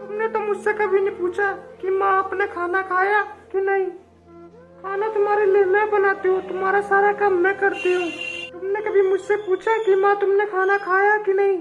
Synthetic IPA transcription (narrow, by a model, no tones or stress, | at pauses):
t̪ʊmnet̪omʊd͡ʒʱsekɐbʱinĩpuːt͡ʃʰakimãɐpnekʰaːnakʰaːjakinɐɦĩ | kʰaːnat̪ʊmaːɾeleːmɛ̃bɐnaːt̪eɦõt̪ʊmaːɾasaːɾakɐmːɛ̃kɐɾt̪eɦũːt̪ʊmnekɐbʱimʊd͡ʒʱsepuːt͡ʃʰakimãt̪ʊmnekʰaːnakʰaːjakinɐɦĩː